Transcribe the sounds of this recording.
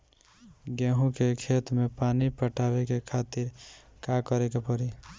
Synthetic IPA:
ɡeɦũkekʰet̪mepanipəʈʰabekekʰat̪iɾ | kakəɾekepəɾi

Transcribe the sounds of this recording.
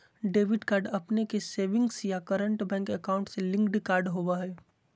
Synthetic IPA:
ɖeːʋɪɖkaːɾɖɐpnekeseːʋɪ̃ŋɡsjakəɾə̃ɳʈbɛ̃ːŋkɛkaːʊ̃ɳʈselɪ̃ŋkɖkaːɾɖɦoʋaɦɛː

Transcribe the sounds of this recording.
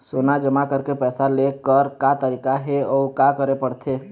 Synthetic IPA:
soːnad͡ʒəmakəɾkepɛːsalekːəɾkat̪əɾiːkaɦeɔːkakəɾepəɽt̪ʰeː

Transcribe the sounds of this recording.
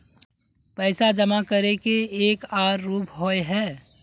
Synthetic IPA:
pɛɪsad͡ʒəmakəɾekeeːkaːɾːuːpɦoeɦɛː

